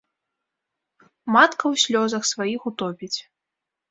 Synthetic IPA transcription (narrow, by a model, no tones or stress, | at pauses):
mat̪kɐwsʲlʲɔzɐxsvajixut̪ɔpʲit͡sʲ